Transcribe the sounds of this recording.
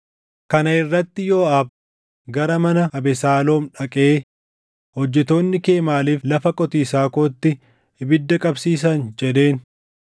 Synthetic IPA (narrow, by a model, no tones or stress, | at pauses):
kɐnɐɪrːɐt̪ːɪjo̞ːɐːb | ɡɐɾɐmɐnɐɐbɛsaːlo̞ːmᶑɐkʼeː | hɔd͡ʒːɛt̪o̞ːnːɪke̞ːmaːliːflɐfɐkʼɔt̪iːsaːkoːt̪ːɪ | bɪd̪ːɐkʼɐbsiːsɐnd͡ʒɛd̪e̞ːn